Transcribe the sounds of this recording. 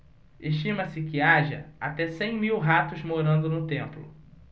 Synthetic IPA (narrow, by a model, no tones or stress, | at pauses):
eʃt͡ʃĩmɐsɪkɪaʒɐ̰at̪ɛsẽj̃miwɦat̪ʊzmoɾɐ̃nd̪ʊnʊt̪ẽmplʊ̰